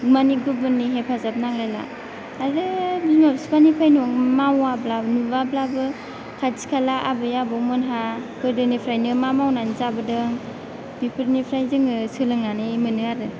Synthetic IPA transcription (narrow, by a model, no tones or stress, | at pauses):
maniɡɯbɯnːiɦepʰazap̚naŋlajla̰ː | ɾɯbinɔɾspanipʰajnɔŋmawablabnubablabɯ | kʰazi̥kʰalaʔabɯjabɔmɯnɦakɯɾdɯnipʰɾajnɯmamawnanizabɯdɯŋ | bipʰɯɾnipʰɾajzɯŋɯsɯlɯŋanɯmɯnɯaɾɯ